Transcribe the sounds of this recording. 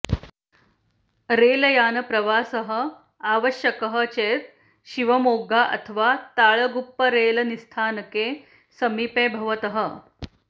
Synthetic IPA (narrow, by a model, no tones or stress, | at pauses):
ɾeːlɐjaːnɐpɾɐʋaːsəɦə̆ | aːʋəɕjɐkəɦət͡ɕeːt̪̚ | ɕiʋɐmoːɡaʔɐ̰t̪ʰəʋat̪aːɭəɡupːəɾeːlɐnist̪ʰaːnɐkeː | sɐmiːpeːbʱɐʋɐt̪əɦə